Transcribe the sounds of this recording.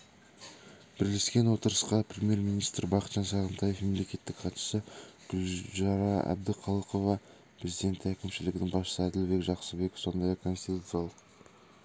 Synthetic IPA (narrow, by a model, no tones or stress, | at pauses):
b̥ɪɾle̞skʲe̞nwo̞t̪əɾəsqɑprʲemje̞rminijst̪ɾbɑqət̪ʒ̥ɑnsɑʁənt̪ʰɑje̞fme̞mle̞kʲe̞t̪ːɪkqʰɑt̪ʃə̥səɡ̥ʊlʒɑɾɑæ̰b̚d̪ɪqʰɑlˠəqo̞vɑ | pʰɾʲe̞zijd̪e̞nt̪ɪækʲɪmʃɪlɪɡʲɪnɪŋbɑsʃəsəæd̪ɪlbe̞kʒɑqsəbe̞kʲefso̞nd̪ɑjɑkʰo̞nst̪it̪ut̪sɨjalˠəq